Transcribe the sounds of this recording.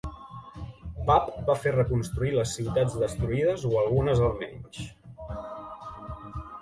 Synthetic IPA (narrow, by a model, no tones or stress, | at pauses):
papbaferəkunst̪ɾuiləsːiwt̪ad͡zðəst̪ɾuið̞əzoəlˠɣunəzəlˠmɛ̰ɲʃ